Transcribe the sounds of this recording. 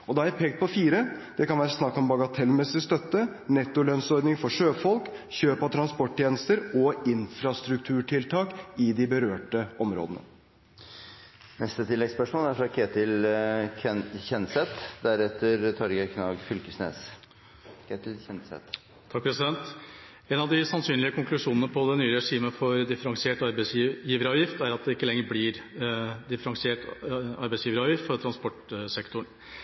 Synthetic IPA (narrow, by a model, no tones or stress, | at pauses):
ɔd̪ɑːæpʰɛːɡt̪̚pʰɔfiːɾəd̪̥ɛkɑnʋæːɾəsnɑkːɔmbɑɡɑt̪ʰɛlmɛsɪst̪œt̪ːənɛt̪ːʊlœnsɔɾɖ̪nɪŋfɔʂøːfɔlkçøːpɑt̪ʰɾɑnspɔʈ̚ːt̪ʰjeːnəst̪əɾɔɪnfɾɑst̪ɾʉk̚t̪ʰʉːʈʰɪlt̪ʰɑːkɪd̪ɪbəɾøːʈəʔɔmɾo̰ːd̪ənə̰ | nɛst̪ət̪ʰɪlːɛɡspœʂmoːlæɾfɾɑkʰeːt̪ɪlʰ | ɛçɛnsɛt̪d̪æɾɛt̪ːəɾt̪ʰɑɾɡəkʰnɑɡfʏlkəsnḛːs | kʰet̪ɪlçɛnsɛ̰t̪ | t̪ʰɑk̚pʰɾɛsɪd̪ɛnt̪ | ɛnɑʋd̪ɪsɑnsyːnlɪəkʰʊŋklʉʂuːnənəpʰɔd̪ɛnyːəɾɛʂiːməfɔɾd̪ɪfəɾɑŋsɪeːʈɑɾbæsjiːʋəɾɑːʋjɪft̪æɾɑt̪̚d̪ɛɪkːəlɛŋːəɾblɪɾd̪ɪfəɾɑŋsɪeːʈɑɾbæɪsjiːʋəɾɑːʋjɪft̪fɔɾt̪ʰɾɑnspɔʈsɛkt̪ʊɳ